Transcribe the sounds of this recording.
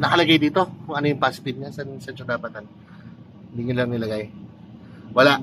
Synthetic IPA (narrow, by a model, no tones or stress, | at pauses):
nɐkɐlɐɡajd̪iːt̪o̞kʊŋʔɐnojʊŋpaspɪd̪̚ɲasɐnsɐnt͡ʃɐd̪aːpɐt̪an | ɪnd̪iɲɪlɐŋnɪlɐɡaj | wɐlaʔ